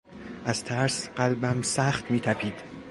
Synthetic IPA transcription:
ʔæz̥t̪ʰæɾsɢ̥ælbæmsæxt̪miːt̪ʰæpʰiːd̪̥

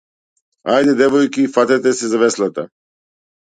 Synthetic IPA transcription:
ajd̪ɛd̪ɛvɔjkifat̪ɛt̪ɛsɛzavɛslˠat̪a

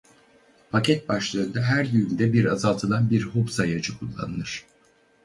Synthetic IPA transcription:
pʰacʰɛt̪̚baʃlˠaɾɯnd̪aɦæɾjyynd̪ɛbiɾazalˠt̪ʰɯlˠanbiɾhobsajad͡ʒɯkʰulˠːa̰nɯlɯɾ̝̥

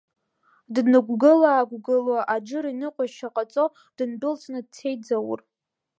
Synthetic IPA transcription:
dnɨɡʷɡɨlaːɡʷɡɨlwaʔad͡ʒɨɾinɨqʷʼaʃaqʼat͡sʼo | d̥ɨnbɨlt͡sʰʼnɨd̚tʰe̞jd͡zawʊ̰r

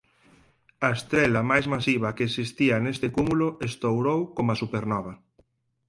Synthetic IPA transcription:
ɐest̪ɾelamajzmasiβ̞ɐkeeksist̪ianest̪ekumuloest̪owɾowkomasupeɾnɔβ̞a

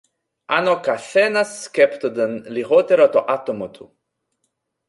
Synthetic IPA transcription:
anokaθɛnasːkɛpt̪od̪ənliɦot̪eɾot̪oʔat̪omot̪ʰu

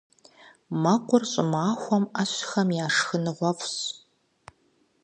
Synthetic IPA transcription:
mɐqʷʊrɕʼɪmaːxʷɔmɐɕxɐmjaːʂxɨnɨʁʷɔfɕ

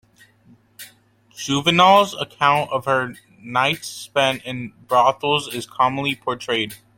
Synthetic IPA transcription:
ʒ̥ʉvɨnɔlˠzəkʰãʊ̃ntʌv̥hə˞ | naɪtspɛ̃ntɪ̃nbɹɑθl̩ˠzɪz̥kʰɑmə̃n̩lipʰɔɹtʰɹ̥eɪd̥

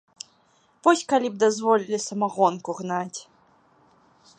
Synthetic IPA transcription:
vɔsʲkalʲib̚d̪azvɔlʲilʲisɐmaɣɔnkuɣnat͡sʲ

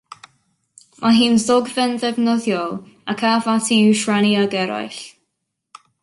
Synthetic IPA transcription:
mʔaɦiːnzɔɡvɛnðɛvnɔðjɔlˠ | akʰavatʰiuʃɹaniaɡɛɾa̰jɬ

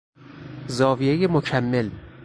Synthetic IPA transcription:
zɒːvijejemocʰæmːe̞l

